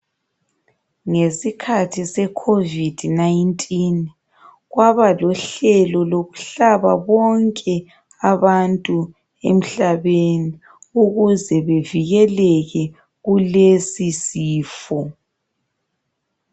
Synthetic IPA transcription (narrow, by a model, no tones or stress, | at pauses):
ŋesikʰatʰisɛkʰovid̥ʱnajntʼin | ɣwaβalɔɬɛlɔloɣu̥ɬaβaβɔŋkʼɛ | aβantʼu | ḛm̩ɬaβeni | uɣuzɛβeviɣɛlɛɣɛ | ɣulesisiːfɔ